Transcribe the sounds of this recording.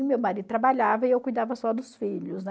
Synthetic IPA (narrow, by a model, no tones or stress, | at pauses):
mewmaɾid̪ʊt̪ɾabaʎavɐɪewkujd̪avɐsɔd̪ʊsfiʎʊsnɛ